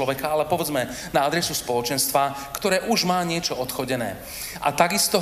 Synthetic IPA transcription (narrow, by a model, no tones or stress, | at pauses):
ɔʋɛkaalɛpɔʋɛd͡zmɛnaad̪ɾɛsuspɔlɔt͡ʃɛnst̪ʋakt̪ɔɾɛːʔuʒmaːɲɪɛt͡ʃɔɔt̪xɔɟɛnɛ̰ː | ʔa̰t̪aɡist̪ɔ